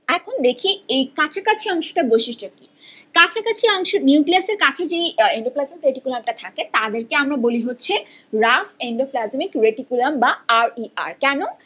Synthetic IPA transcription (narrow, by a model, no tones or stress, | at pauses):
ɛkʰond̪ekʰiejkat͡ɕʰakat͡ɕʰiɔŋʃo̥ʈaboʃiʃʈoki | kat͡ɕʰakat͡ɕʰiɔŋʃoniukliaseɾkat͡ɕʰed͡ʑejeɳɖoplazmikɾeʈikulamʈat̪ʰaket̪ad̪eɾkeamɾaboliɦotːɕʰe | ɾafeɳɖoplazmikɾeʈikulambaaɾia̰ɾkɛno